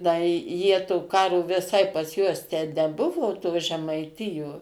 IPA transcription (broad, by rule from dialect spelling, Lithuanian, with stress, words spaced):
ˈdɐ ɪ ˈjiɛ toː ˈkɑːroː ʋʲɪˈsɐɪ pɐs ˈjuɔs tʲæː nʲɛˈbʊʋoː toː ʒʲɛmɐɪˈtʲɪjoː